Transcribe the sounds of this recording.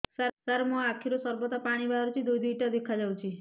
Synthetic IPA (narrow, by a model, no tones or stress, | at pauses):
saɾsaɾmɔ̃akʰiɾosɔɾbɔt̪apaɽ̃ibaɾut͡ʃʰid̪ujd̪iʈad̪ekʰad͡ʒawt͡ʃʰi